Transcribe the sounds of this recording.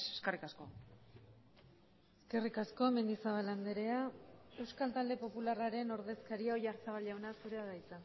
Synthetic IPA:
eskerikasko | eske̞rikasko̞me̞nd̪isaβaland̪eɾe̞ae̞wskalt̪ald̪e̞po̞pularaɾe̞no̞ɾðe̞skaɾiaoʝaɾt͡saβ̞alʝawnasuɾeaɣajt͡sa

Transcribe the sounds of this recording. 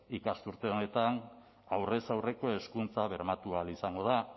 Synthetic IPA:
ikast̪uɾt̪e̞o̞ne̞t̪an | awre̞sawre̞ko̞e̞skunt͡saβ̞e̞ɾmat̪ualisaŋɡo̞ð̞a

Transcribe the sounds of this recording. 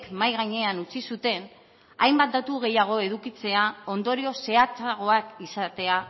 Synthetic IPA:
kmajɣaɲe̞anut͡sisut̪e̞n | ajmbat̪̚d̪at̪uɣ̞e̞jaɣ̞o̞e̞ðukit͡se̞ao̞nd̪o̞ɾio̞se̞at͡saɣo̞akisat̪e̞a

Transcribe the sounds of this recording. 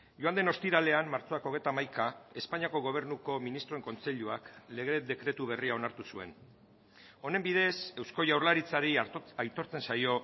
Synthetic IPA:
joand̪e̞no̞st̪iɾale̞amːaɾt͡so̞ako̞ɣ̞e̞jt̪amajkae̞spaɲiako̞ɣ̞o̞β̞e̞ɾnuko̞minist̪ɾo̞e̞ŋko̞nt͡se̞ʎuakleɣ̞ɾe̞d̪e̞kɾe̞t̪uβ̞e̞riaonaɾt̪usue̞̰n | o̞ne̞mbiðe̞se̞wsko̞ʝawɾlaɾit͡saɾiajt̪o̞ɾt͡se̞nsajo̞

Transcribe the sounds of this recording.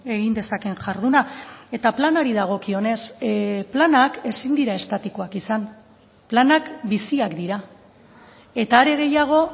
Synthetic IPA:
e̞ɣind̪e̞sake̞ŋʝaɾðunae̞t̪aplanaɾiðaɣ̞o̞kio̞ne̞splanake̞sind̪iɾae̞st̪at̪ikoakisan | planakbisiakd̪iɾa | e̞t̪aːɾe̞ɣ̞e̞jaɣ̞o̞

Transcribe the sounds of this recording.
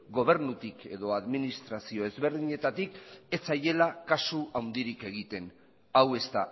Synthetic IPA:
ɡo̞β̞e̞ɾnut̪ike̞ðo̞aðminist̪ɾasio̞e̞zβe̞ɾðiɲe̞t̪at̪ike̞t͡saje̞lakasuawnd̪iɾike̞ɣ̞it̪e̞n | awe̞st̪a

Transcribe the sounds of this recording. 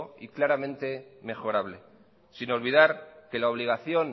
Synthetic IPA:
ḭklaɾamẽ̞nt̪e̞me̞xo̞ɾaβle̞ | sino̞lβið̞aɾke̞laoβ̞liɣ̞aθjo̞n

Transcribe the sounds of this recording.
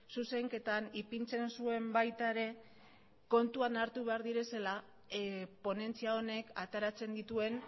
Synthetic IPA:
suse̞ŋke̞t̪anipint͡se̞nsue̞mbajt̪aeɾe̞ | ko̞nt̪uanaɾt̪uβe̞aɾðiɾe̞se̞la | po̞ne̞nt͡siao̞ne̞kat̪eɾat͡se̞nd̪it̪ue̞n

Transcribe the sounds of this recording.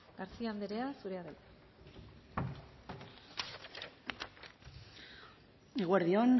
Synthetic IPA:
ɡ̥aɾt͡siand̪eɾe̞asuɾe̞aðajt̪ | eɣweɾðion

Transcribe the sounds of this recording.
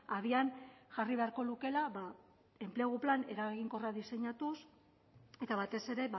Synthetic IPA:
aðianʝariβe̞aɾko̞luke̞laβa | e̞mpleɣ̞uplane̞ɾaɣiŋko̞raðise̞ɲat̪us | e̞t̪aβat̪e̞se̞ɾe̞β

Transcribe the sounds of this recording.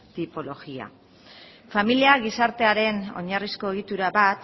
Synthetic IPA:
t̪ipo̞lo̞ɣia̰ | familiaɣ̞isaɾt̪e̞aɾe̞no̞̰ɲarisko̞eɣ̞it̪uɾaβat̪

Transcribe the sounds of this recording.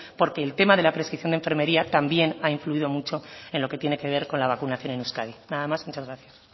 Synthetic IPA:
po̞ɾke̞ːlt̪e̞maðe̞lapɾeskɾiθjo̞ndeɱfe̞ɾme̞ɾiat̪ambje̞naiɱfluiðo̞mut͡ʃo̞e̞nlo̞ke̞t̪je̞ne̞ke̞β̞e̞ɾko̞nlaβ̞akunaθjo̞nenuskaðinaðamazmut͡ʃazɣɾaθjas

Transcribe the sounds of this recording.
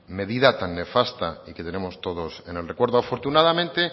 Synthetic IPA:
me̞ðiðat̪anːe̞fast̪aike̞t̪e̞nemo̞st̪o̞ðo̞se̞ne̞lre̞kweɾðoafo̞ɾt̪unaðamẽnt̪e

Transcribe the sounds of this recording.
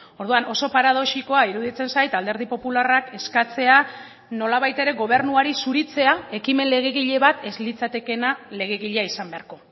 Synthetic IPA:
o̞ɾð̞uano̞so̞paɾaðo̞ʃiko̞aiɾuðit͡se̞nsajt̪ald̪e̞ɾð̞ipo̞pularake̞skat͡se̞a | no̞laβajt̪e̞ɾe̞ɣo̞β̞e̞ɾnuaɾisuɾit͡se̞ae̞kime̞nle̞ɣe̞ɣ̞iʎe̞βat̪e̞zlit͡sat̪e̞ke̞nale̞ɣ̞e̞ɣiʎeaisambe̞aɾko̞

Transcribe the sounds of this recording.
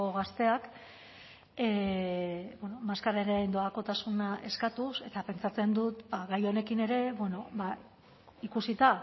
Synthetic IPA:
oɣast̪e̞ak | e | bweno̞maskaɾaɾeend̪oako̞t̪asunaʔe̞skat̪use̞t̪ape̞nt͡sat͡se̞nd̪ut̪baɣajo̞ne̞kine̞ɾe̞bwe̞no̞ba | ikusit̪a

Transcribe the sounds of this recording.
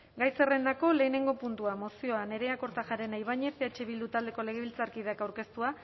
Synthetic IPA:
ɡajse̞re̞nd̪ako̞le̞ːne̞ŋɡo̞punt̪uamo̞sio̞ane̞ɾe̞ako̞ɾt̪aʝaɾe̞najβ̞aɲe̞seat͡ʃe̞βild̪ut̪ald̪e̞ko̞le̞ɣ̞e̞β̞ilt͡saɾkið̞eakawɾke̞st̪ua

